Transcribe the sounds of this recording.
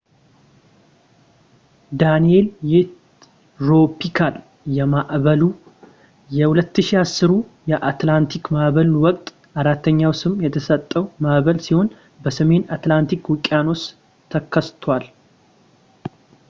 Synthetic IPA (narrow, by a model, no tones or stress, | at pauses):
d̪anie̞ljɪt̪ | ɾo̞pːikʰal | jɛmaʔβəlu | jɛhulət̪ːɨʃiasːɨɾujɛʔat̪lant̪ʰikmaʔβəlwɔkʼt̪ʼ | ʔaɾat̪ʰːəɲːawsɨmjɛt̪ʰəsət̪ʼːəwmaʔβəlsiho̞n | bəsəme̞nat̪lant̪ʰikwɨkʼːano̞s | t̪ʰəkʰːəst̪ʰwal